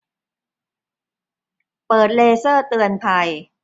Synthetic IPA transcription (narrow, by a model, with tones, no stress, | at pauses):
pɤː˨˩t̪̚leː˧sɤː˥˩t̪ɯ˧ənpʰa˧j